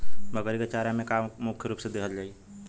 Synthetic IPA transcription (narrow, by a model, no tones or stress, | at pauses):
məɡəɾiɡet͡ʃaːɾãmẽkamʊkʰjəɾuːpsed̪eːɦəld͡ʒaːiː